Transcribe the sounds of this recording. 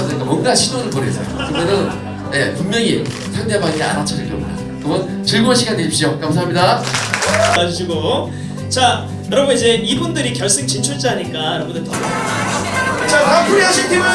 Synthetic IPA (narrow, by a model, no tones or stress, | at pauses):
sʰʌɲik͈amwʌnɡaɕʰidoɾɯɭpʌɾɯɡes͈ʌjo̰kɯɯmenɯn | je̞puŋmjʌŋi | pʰjandebaŋia̰ɾat͡ɕʰanekʌmda̰ | kɯɡʌn | t͡ɕɯɭmoɕʰiɡandeɕip̚ɕ͈iokams̬ʰaamɲida | ad͡ʑuɕ̬ʰiɡo | t͡ɕa | joɾʌbonid͡ʑe̞ibundɯɾikjʌɭs͈ɯŋt͡ɕʰint͡ɕʰuɭd͡ʑ͈iaɲik͈aɾʌmbonɯtʌma | t͡ɕatakuɾiaɕʰitʰem